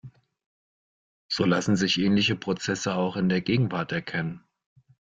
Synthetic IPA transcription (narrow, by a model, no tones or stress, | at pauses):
z̥oːlasn̩zɪçʔɛːnlɪçəpʁ̥ot͡sɛsəaʊxɪndeːɐɡeːɡŋ̩vaɐtɛɐkʰɛnən